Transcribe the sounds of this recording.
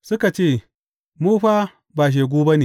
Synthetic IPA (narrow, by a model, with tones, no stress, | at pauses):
sʊ˦ka˨t͡ʃeː˦˨ | muː˦ɸa˦ | baː˨ʃ̬eː˨ɡʷoː˦bɐ˦neː˨